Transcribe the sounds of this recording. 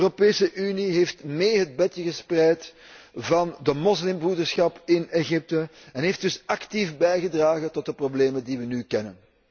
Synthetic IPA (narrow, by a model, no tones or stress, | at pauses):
ropeːsəʔyniɦeːftmeːɦəd̚bɛtjəɣəsprɛjt | vɑndəmɔslɪmbrudərsxɑpɪneɣɪp̚tə | ɛnɦeːfdʏsɑktifbɛjɣədraːɣətɔt̚dəprobleːməndiʋənyːkɛnə̰n